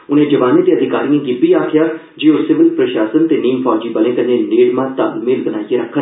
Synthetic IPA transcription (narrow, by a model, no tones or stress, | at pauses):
ʊnẽːd͡ʒəʋaːneːt̪eːəd̪ʱɪkaːɾijãːɡɪbiːaːkʰɪjaː | d͡ʒeːoːsɪʋɪlpɾəʃaːsənt̪eːniːmpʰɔːd͡ʒiːbəlẽːk̪ənːẽːneːɽmãːt̪əbmɪlbənaːieɾəkʰːə